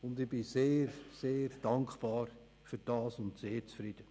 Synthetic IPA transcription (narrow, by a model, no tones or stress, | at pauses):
ʊndɪbɪseːɾseːɾd̥ɑŋkχpɑːɾ | fyɾd̥ɑːsʊntseːɾt͡sfɾɪd̥ə